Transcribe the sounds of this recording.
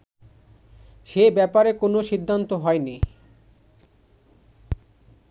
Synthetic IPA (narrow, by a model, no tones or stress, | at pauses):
ʃebɛpaɾekonoʃid̪ʱːant̪oɦɔeni